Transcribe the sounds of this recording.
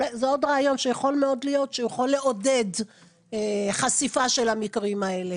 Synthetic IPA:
ezeo̞d̪ʁaːjo̞nʃejaχo̞lmeo̞dlijo̞t̪ʃejeχolːeʔo̞de̞d | eχasifaʃe̞lhamikʁimae̞le̞

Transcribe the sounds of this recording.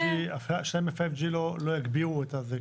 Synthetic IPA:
iafaʃnejmefajvd͡ʒilolojaɡbiʁuet̪aze

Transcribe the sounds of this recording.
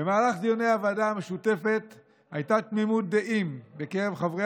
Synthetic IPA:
bemaːlaχd̪ijoneavadame̞ʃut̪e̞fe̞t̪ | hajt̪at̪mimut̪̚d̪eʔimbe̞keʁevχavʁe

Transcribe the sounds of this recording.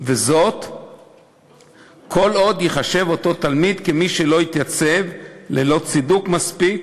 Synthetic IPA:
vezo̞t̪ | kʰo̞lo̞d̪jiχaʃe̞vo̞t̪o̞t̪almid̪kemiʃelo̞jit̪jat͡se̞vlelo̞t͡sid̪ukmaspik

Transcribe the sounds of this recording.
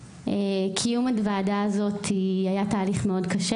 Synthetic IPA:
ekʰijumadvaːdaːzo̞t̪ʰiajataːliχmeo̞dkɐʃe

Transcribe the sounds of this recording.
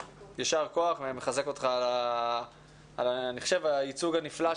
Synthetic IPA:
jaʃaʁko̞aχvemeχaze̞ko̞t̪χala | alaniχo̥ʃevait͡suɡanifla

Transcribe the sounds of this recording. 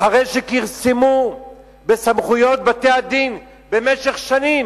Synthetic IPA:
haʁejʃekiʁsemu | besamχujo̞t̪̚bat̪ead̪in | be̞meʃeχʃanim

